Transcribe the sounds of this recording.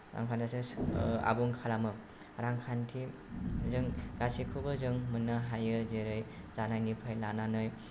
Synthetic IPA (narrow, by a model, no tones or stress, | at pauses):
ɾa̰ŋkʰantʰasɯa̰buŋkʰalamɯ | ɾaŋkʰantʰi | zɯŋɡasikʰubɯzɯŋmɯnːaɦajɯzeɾɯjt͡ʃanajnipʰajlananɯj